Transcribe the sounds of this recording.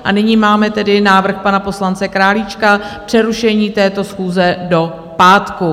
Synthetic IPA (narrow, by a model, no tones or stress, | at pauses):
ʔanɪɲiːmaːmɛt̪ɛdɪnaːvr̩xpanapo̞slant͡sɛkɾaːlit͡ʃkapr̝̥ɛɾuʃɛɲiːt̪ɛːt̪o̞sxuːzɛdo̞ | paːt̪ku